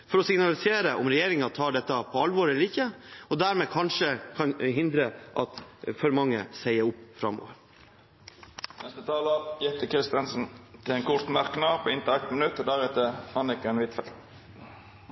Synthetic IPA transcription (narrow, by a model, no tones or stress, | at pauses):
fɔɾɔsɪɡnɑlɪseːɾəʔɔmɾɛjeːɾɪŋɑt̪ʰɑːɖɛt̪ːɑpʰɔɑlʋɔɾɛlːəɾɪkːəɔd̪æːɾmeːkʰɑnʂəkʰɑnɦɪnd̪ɾəʔɑ̰t̪fɔɾmɑŋːəsæɪəɾʊpːfɾɑ̰mo̰ːʋəɾ | nɛst̪ət̪ʰɑːləjɛt̪ːəkʰɾɪst̪ənsn̩t̪ʰɪlɛnkʰʊɾt̪mɑɾknɑːpʰɔɪnt̪əʁæt̪mənʉt̪ːɔd̪æɾɛt̪əɑnɪkəɛnʋɪt̪fɛlt̪